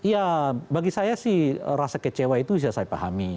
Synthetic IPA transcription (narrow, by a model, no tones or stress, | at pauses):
ijabaɡisajasɪhɾasakət͡ʃewait̪usiasajapa̰ha̰mi